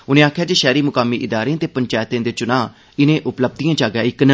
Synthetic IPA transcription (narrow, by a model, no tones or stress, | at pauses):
ʊnẽːaːkʰːjaːd͡ʒeːʃɛːɾiːmʊkaːmːiːʔɪd̪aːɾeãːt̪eːpəɲt͡ʃaːjt̪ẽːd̪eːt͡ʃʊnãː | ɪnẽːʔʊpləb̚d̪ijãːd͡ʒaːɡaːɪknə